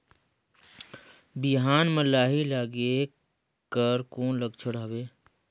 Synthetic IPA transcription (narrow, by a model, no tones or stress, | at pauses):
biɦaːnməlːaːɦilaːɡe | kəɾkoːnləɡt͡ʃʰəɽɦəbeː